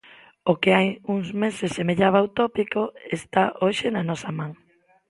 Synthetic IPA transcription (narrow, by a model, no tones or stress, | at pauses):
okeajuŋzmesesːemeʎaβ̞awt̪opikoest̪aʔoʃenanɔsamãŋ